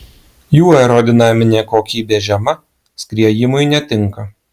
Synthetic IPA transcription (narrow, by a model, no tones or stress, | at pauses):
juːɛɾɔd̪ʲɪnɑːmʲɪnʲeːkoːkʲiːbʲeːʒʲɛmɐ | sʲkʲɾʲiɛjɪmʊɪnʲɛt̪ʲɪŋˑkɐ